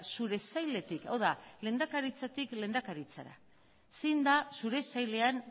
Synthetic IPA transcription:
suɾe̞sajle̞t̪ika̰wðalend̪akaɾit͡sat̪ikle̞ːnd̪akaɾit͡sa̰ɾa̰ | sejnd̪asuɾe̞sajle̞an

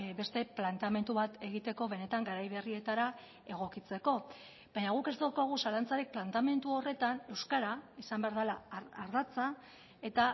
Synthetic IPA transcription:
be̞st̪e̞plant̪ame̞nt̪uβat̪e̞ɣ̞it̪e̞ko̞β̞e̞ne̞t̪aŋɡaɾajβe̞rie̞t̪aɾa | e̞ɣ̞o̞kit͡se̞ko̞ | baɲaɣ̞uke̞zt̪akoɣ̞usalant͡saɾik̚plant̪ame̞nt̪uo̞re̞t̪ane̞wskaɾaisambe̞aɾð̞alaːɾðat͡sa | e̞t̪a

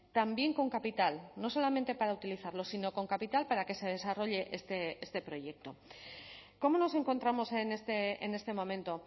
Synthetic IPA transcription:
t̪ambje̞ŋko̞ŋkapit̪alno̞so̞lamẽ̞nt̪e̞paɾaut̪iliθaɾlo̞sino̞ko̞ŋkapit̪alpaɾake̞se̞ð̞e̞saro̞ʎe̞ʔest̪eest̪e̞pɾo̞ʝe̞k̚t̪o̞ | ko̞mo̞no̞se̞ŋko̞nt̪ɾamo̞sene̞st̪eene̞st̪e̞mõ̞mẽ̞nt̪o̞

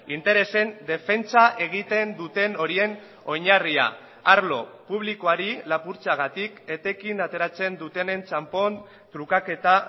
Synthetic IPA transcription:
int̪e̞ɾe̞se̞nd̪e̞fe̞nt͡saʔe̞ɣ̞it̪e̞nd̪ut̪e̞no̞ɾie̞n | o̞ɲaria̰ | aɾlo̞puβ̞liko̞aɾilapuɾt͡saɣ̞at̪ike̞t̪e̞kinat̪e̞ɾat͡se̞nd̪ut̪e̞ne̞nt͡ʃampo̞n | t̪ɾukake̞t̪a

